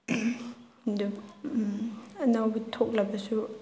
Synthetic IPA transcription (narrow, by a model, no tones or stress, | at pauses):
du | ɐnawbitʰok̚lɐbɐsu